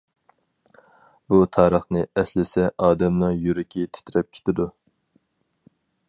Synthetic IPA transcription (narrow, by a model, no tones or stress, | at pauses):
but̪ʰɑːɾəχnɨɛslɪsɛʔɑːd̪ɛmlɨŋjyɾɪkʲʰit̪ʰe̥t̪ʰɾɛp̚kʲʰe̥t̪ʰɪd̪u